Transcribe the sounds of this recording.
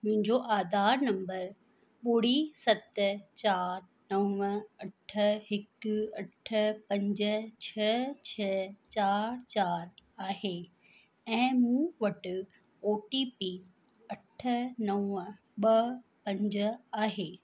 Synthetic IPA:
mʊ̃ɦɪ̃ɲd͡ʑoʔaːd̪aːɾnɐ̃mbəɾ | ɓoːɽ̤isɐt̪t͡ɕaːɾ | nɐwəɐʈʰəɦɪkɐʈʰəpɐ̃ɲd͡ʑə̆t͡ɕʰɐt͡ɕʰɐt͡ɕaːɾt͡ɕaːɾaːɦeː | ɛ̃ːmũːʋɐʈ | oːʈipi | ɐʈʰənɐʋə | ɓɐpɐ̃ɲd͡ʑəaːɦeː

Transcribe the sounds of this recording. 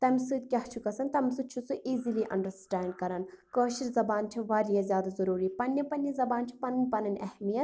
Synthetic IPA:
t̪ɐmisɨt̪̚kʲɐht͡ʃʰukɐsɐnt̪ɐmsɨt͡ʃʰusuʔiːziliʔɐɳɖəɾsʈaːɳɖ̚kɐɾɐnkəːʃiɾzɐbaːnt͡ʃʰiʋaːlijɐzʲjaːd̪azɐɾuːɾipɐnːɐpɐnʲɐzɐbaːnt͡ʃʰi̥pɐnɐnʲpɐnɐnʲɛ̰hmijɐt̪

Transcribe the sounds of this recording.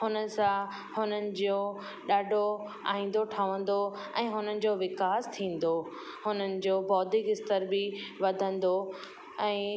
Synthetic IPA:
hʊnə̆sã | hʊnənɪ̆d͡ʑoː | ɗaːɖʱo | a̰ːɦĩːn̆d̪oʈʰaʋə̃nd̪o | ɛ̃ːɦʊnənɪ̆d͡ʑoːʋɪkaːst̪ʰĩːn̆d̪o | hʊnənɪ̆d͡ʑoːbɔːd̪ʱɪkɪst̪əɾbɪʋɐd̪ʱə̃nd̪o | ɛ̃ː

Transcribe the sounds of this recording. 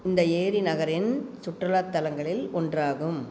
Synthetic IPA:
ɪnd̪ɐeːɾinɐɣɐɾɪnsʊʈrɐlaːt̪ːɐlɐŋɡɐɭɪlɔndraːɣɯm

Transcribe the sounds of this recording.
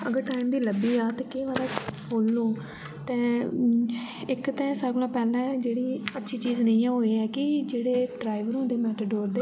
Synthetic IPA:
ə̰ɡəɾʈaːɪimd̪iːləbiːaːt̪eːkeːʋaːd̪aːkʰoːlːoː | t̪ɛ̃ː | ɪkt̪ɛ̃ːsəɡlãːpɛːlɛ̃ːd͡ʒeːɽiːətːʃʰiːt͡ʃiːznəĩːãːɦoːeɛːkɪd͡ʒeːɽeːɖɾaːɪʋəɾõːnd̪eːmɛːt̪əɖoːɾd̪eː

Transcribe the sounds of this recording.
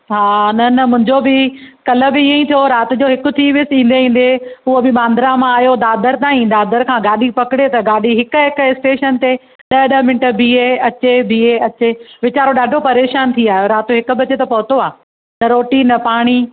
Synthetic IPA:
ɦaːnɐnɐmʊ̃ɦɪ̃ɲd͡ʑobɪkɐlə̆bɪiːə̃ĩt̪ʰijoɾaːt̪ɪ̆d͡ʑoːɦɪkʊ̆t̪ʰiʋɪsĩːn̆d̪eĩːn̆d̪eʊɦobɪɓãːnd̪ʱɾamãaːjod̪aːd̪əɾt̪ãːĩːd̪aːd̪əɾkʰãːɡaːɗipɐkɪɽet̪ɐɡaːɗiɦɪkʊ̆ɦɪkɪsʈeːʃənt̪e | ɗɐɗɐɦmɪ̃ɳʈə̆bʱiːeɐt͡ɕebʱiːeɐt͡ɕeʋɪt͡ɕaːɾoɗaːɖʱopɐɾeːʃaːnt̪ʰiaːoɾaːt̪ʊɦɪkʊ̆bɐt͡ɕet̪ɐpɐɦʊt̪oaː | nɐɾoːʈinːɐpaːɽ̃i

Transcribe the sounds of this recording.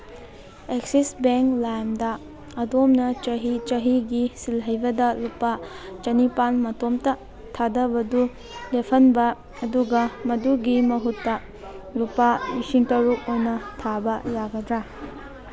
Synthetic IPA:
eksisbeŋklajmdɐː | domnɐt͡ʃɐɦit͡ʃɐɦiɡisilɦɐjbɐdɐlupa | t͡ʃɐnipanmɐtomtɐ | tʰadɐbɐdu | lepʰɐnbɐː | duɡɐmɐduɡimɐɦutːɐ | lupalisiŋtɐɾuk̚ojnɐtʰabɐjaɡɐdɾa

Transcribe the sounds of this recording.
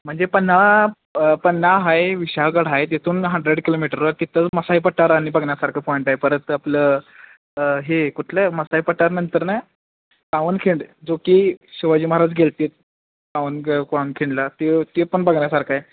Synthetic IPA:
m̤əɳd͡zepənːa | pənːaɦajʋiɕaɡəɽ̤ɦajt̪jet̪ʰuːnɦəɳɖɾeɽkilomiʈəɾʋaɾt̪it̪ʰət͡sməsaipəʈːaɾaɽ̃ibəɡɳjasaɾkʰəpɔjiɳʈaɦepəɾət̪aplə | ɦekuʈʰləməsaipəʈːaɾnənt̪əɾnaj | kaʋənkʰiɳɖd͡zokiːɕiʋad͡ʑiːməɦɾad͡zɡʱelt̪et̪̚ | kaʋənpaʋənkʰiɳɖlat̪et̪epəɳbəɡɳjasaɾkʰaj

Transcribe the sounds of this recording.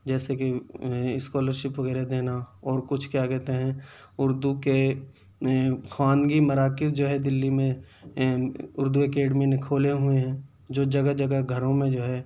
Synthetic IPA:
d͡ʒɛːsekiɪskɔːləɾʃɪpʋɐɡɛːɾed̪eːnaɔːɾkʊt͡ʃʰkjaːkɛːt̪eɦɛ̃ː | ʊɾd̪uke | xwaːnɡimɐɾaːkɪsd͡ʒoːɦɛd̪ɪlːimẽ | ʊɾd̪uekeːɖmẽnɪ̃kʰoːleɦʊeɦɛ̃ | d͡ʒoːd͡ʒɐɡad͡ʒɐɡaɡʱɐɾõmẽd͡ʒoːɦɛː

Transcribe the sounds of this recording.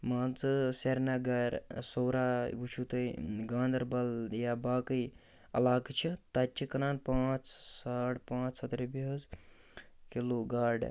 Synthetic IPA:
maːnt͡sɨseɾnaɡɐɾsowɾaʋut͡ʃʰut̪əjɡãːnd̪ɐɾbɐljabaːkəj | ɐ̰laːɡt͡ʃʰit̪ɐt͡ʃʰikɐnaːnpãːt͡ʃsaːʈpãːt͡ʃsɐt̪ɾebiɦɐz | kiloɡaːɖ

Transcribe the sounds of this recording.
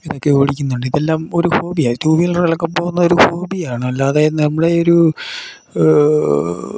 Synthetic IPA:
iðo̞kːe̞oːɽik̬ʲːunːuɳɖɨiðelːaːmo̞ɾuho̞ːbijaːt̪uːbijilɐɭɐkːɐmpoːɣunːɐo̞ɾuho̞ːbijaːɳɨɐlːaɐðaːjɐðɨɨnɐmːuɽe̞o̞ɾu

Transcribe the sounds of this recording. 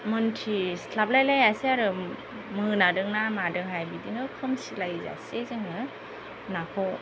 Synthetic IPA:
mɯntʰislablajlajaseaɾɯ | mɯnadɯŋnamadɯŋɦajbidiŋɯkʰɯmsilajza̰sezɯŋnɯ | nakʰɔw

